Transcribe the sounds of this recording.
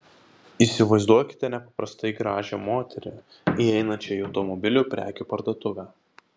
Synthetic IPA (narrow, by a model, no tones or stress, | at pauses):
iːˑsʲɪʋɐɪzd̪uɔkʲɪ̥t̪ʲɛnʲɛpɐpɾɐst̪ɐɪɡɾɑːʒʲɛmoːt̪ʲɛɾʲɪ̰ | iɛɪnɐt͡ʃʲɛɪɒʊt̪ɔmɔbʲɪlʲupʲɾʲʔæ̰ːkʲupɐɾd̪oːt̪ʊʋʲæ